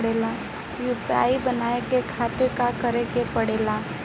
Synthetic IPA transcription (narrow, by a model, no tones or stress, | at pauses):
ɽela | jupa̰ibənaekekʰat̪ɪɾkakəɾekepəɽela